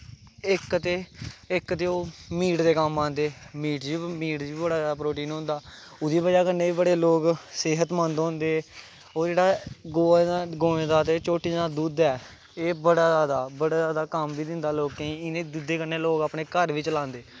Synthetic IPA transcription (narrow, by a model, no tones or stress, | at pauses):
ɪkt̪eːɪkt̪eːoːmiːʈd̪eːkəmːãːnd̪eːmiːʈd͡ʒiːmiːʈiːbəɽaːaːd̪aːpɾoːʈiːnɦʊ̃nd̪aː | ʊd̪iːbəd͡ʒaːkəɾneːiːbəɽeːloːksɪɦət̪mə̃nd̪nd̪eː | oːd͡ʒeːɽaːɡoːaɡoːẽːd̪aːt̪eːt͡ʃoːʈiːd̪aːd̪uːd̪ɛː | eːbəɽaːzaːd̪aːbəɽaːzjaːd̪aːkəmbiːd̪ɪnd̪aːloːkẽiːɪnẽːd̪uːd̪eːkəɾneːloːkaːpneːkəɾʋiːt͡ʃlãːnd̪eː